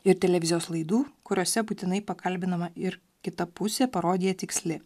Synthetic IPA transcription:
ɪɾt̪ʲɛlʲɛʋʲɪzʲɪjoːslˠɐɪd̪uːkʊɾʲoːsʲɛbuːt̪ʲɪnɐɪpɐkʰɐlʲbʲɪnɐmɐɪɾ | kʲɪt̪ɐpʊsʲeːpɐɾoːd̪ʲiːjɛt̪ʲɪksʲlʲɪ

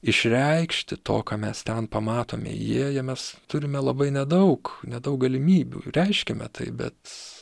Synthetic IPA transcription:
ɪʃʲɾʲɛɪkʃʲt̪ʲɪt̪o̰ːkɑːmʲɛst̪ʲɛnpɐmɑːt̪o̰ːmʲɛ̰ɪ̰jiɛjiɛmʲɛst̪ʊɾʲɪmʲɛlˠɐbɐɪnʲɛd̪ɐʊknʲɛd̪ɐʊk̚ɡɐlʲɪmʲiːbʲṵːɾʲɛɪʃʲkʲɛmʲɛ̰t̪ɐɪbʲɛ̰t̪

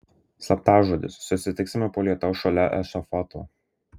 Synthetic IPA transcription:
sɐp̚t̪ɑːʒuɔd̪ʲɪ̰sːʊsʲɪt̪ʲɪksʲɪmʲɛpoːlʲiɛt̪ɐʊʃɐlʲɛʔɛsofɔt̪ʰo̰ː

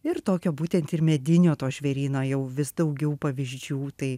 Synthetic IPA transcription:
ɪrt̪oːkʲoːbuːt̪ʲɛnt̪ɪrmʲɛd̪ʲɪnʲoːt̪oːʃʲʋʲɛɾʲiːnoːjɛʊʋʲɪsd̪ɐʊɡʲɛʊpɐʋʲɪʒʲd͡ʒʲuːt̪ɐɪ

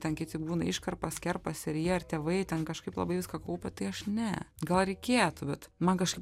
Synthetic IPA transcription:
t̪ʲɛnkʲɪt̪ʲɪbuːnɐɪʃkɐrpɐskʲɛrpɐsʲɪɾjiːɐrt̪ʲeːʋɐɪt̪ʲɛnkɐʃkɐɪplˠɐ̰bɐɪʋʲɪskɐkɐʊpʲɛt̪ɐɪɐʃnʲɛɡɐlˠɾʲɛɪkʲeːt̪ʊbʲɛt̪mɐnkɐʃkɐɪp

